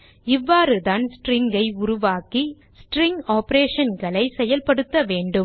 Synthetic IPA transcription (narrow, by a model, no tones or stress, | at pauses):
ɪʋːaːɾɯðaːnsʈɾɪŋɡɐɪʊɾʊʋaːki | sʈɾɪŋɡaːpɐɾeːʂɐnɡɐɭɐɪsɛjɐlpɐɽɯt̪ːɐʋeːɳɖɯm